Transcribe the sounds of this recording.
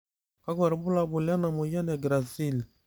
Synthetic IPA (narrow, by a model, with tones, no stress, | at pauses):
ka˦ɡa˨ɾbu˦la˨bu˨lja˦na˨mo˨ja˦nɛ˨ɡɾa˨zi˦˨l